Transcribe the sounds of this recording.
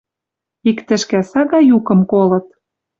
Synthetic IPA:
ikt̪ɘ̆ʃkæsɑɣɑjukɤ̆mkolɤ̆t̪̚

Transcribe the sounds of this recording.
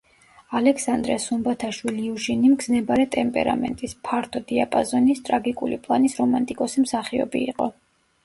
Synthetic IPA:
alɛksand̪ɾɛ̰sumbat̪ʰaʃwiliuʃinimɡznɛbaɾɛt̪ʼɛmpʼɛ̰ɾa̰mɛ̰nt̪ʼispʰaɾt̪ʰɔd̪iapʼazɔnist̪ʼɾaɡikʼṵlipʼlˠanisɾɔmant̪ʼikʼɔsimsaχiɔ̰bḭːqʼɔ

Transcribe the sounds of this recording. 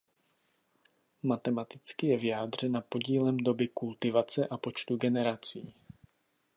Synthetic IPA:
mat̪ɛmat̪ɪt͡skɪjɛvɪjaːd̪r̝ɛnapo̞ɟiːlɛmdo̞bɪkult̪ɪvat͡sɛʔapo̞t͡ʃt̪uɡɛnɛɾat͡siː

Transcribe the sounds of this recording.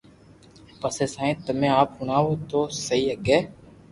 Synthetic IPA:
pəseːsãːẽːt̪əmẽːaːphʊɳaːoːt̪oːsəiːəɡeː

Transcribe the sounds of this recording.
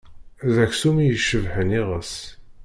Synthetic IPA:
ðæçsumijəʃəvħəniʁəs

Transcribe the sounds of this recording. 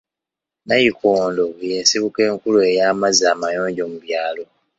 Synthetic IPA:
najikʰoːndo̞je̞ːsiβuke̞ːŋkulue̞jaːmazaːmajo̞ːɲɟo̞ːmuβjaːlo̞

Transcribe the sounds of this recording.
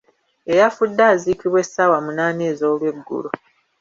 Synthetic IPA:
e̞jafudːaːziːkiβwe̞sːawamunaːneːzoːlwe̞ɡːṵlo

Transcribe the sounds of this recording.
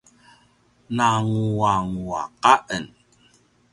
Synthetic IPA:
naŋuwaŋua̰kaʔən

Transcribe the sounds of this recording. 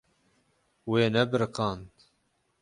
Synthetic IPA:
weːnɛbɨɾɨqɑːnt̪

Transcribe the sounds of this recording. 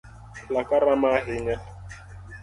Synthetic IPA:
lakaɾamaɦɪŋɛ

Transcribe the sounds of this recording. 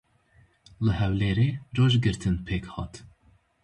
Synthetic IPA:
lɨhɛwleːɾeːd͡ʒoːʒɡɨɾt̪ʰɨnpʰeːkhɑ̰ːt̪

